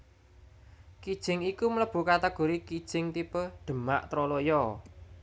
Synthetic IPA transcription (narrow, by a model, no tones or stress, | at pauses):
kid̥ʒ̥ɪ̤ŋikumələb̥ṳkat̪əɡ̥o̤ɾikid̥ʒ̥ɪŋt̪ipəɖ̪̥ə̤ma̰ʔt̪ɾɔlojɔ